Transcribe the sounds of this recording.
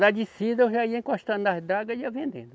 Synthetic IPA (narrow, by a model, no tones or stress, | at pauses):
d̪ad͡ʒisid̪ewʒaiɐẽkõaʃt̪ɐ̃nd̪ahd̪aɡɐiɐvẽnd̪ḛ̃nd̪ʊ